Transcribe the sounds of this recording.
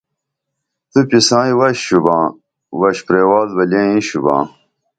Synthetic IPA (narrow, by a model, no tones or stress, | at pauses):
t̪upisãːiwɐɕɕubãː | wɐɕpɾeːwaːlbɐlẽːĩɕubã̰ː